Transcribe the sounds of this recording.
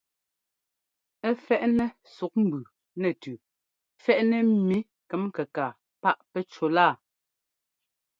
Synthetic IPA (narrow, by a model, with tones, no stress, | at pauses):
ɛ˦fɛ˦˨ʔnɛ˦ | su˨k̚m̩˨bʉ˨ | nɛ˨tʉ˨ | fɛ˦ʔnɛ˦mi˨˦ | kɛ˨˦mkɛ˨kaː˨ | pa˦ʔpɛ˦t͡ʃo˨laː˦˨